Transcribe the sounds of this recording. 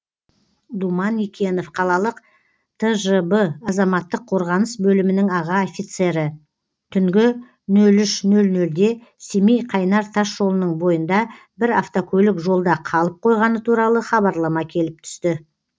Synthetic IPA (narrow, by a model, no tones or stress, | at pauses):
d̪umɑnːikʲʰe̞no̞fqʰɑlˠɑlˠəq | t̪ʰəʒəbəɑzɑmɑt̪ːəqʰːo̞ɾʁɑnəsbɵlɪmɪnɪŋɑʁɑofʲijt̪se̞ɾɪ | t̪ʰʏŋɡʲɪ | nɵlʏʃnɵlnɵld̪e̞ | semijqʰɑjnɑɾt̪ʰaʃʒo̞lˠənəɴbo̞jənd̪ɑ | bɪɾaft̪okʲʰɵlɪkʒo̞lˠd̪ɑqʰɑlˠəp̚qʰo̞jʁɑnət̪ʰuɾɑlˠəχɑβɑɾlˠɑmɑkʲʰe̞lɪp̚t̪ʰʏ̥st̪ɪ